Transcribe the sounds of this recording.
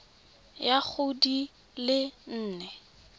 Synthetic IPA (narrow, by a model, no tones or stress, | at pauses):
jak͡xʊdi | lɪn̩ːnɛ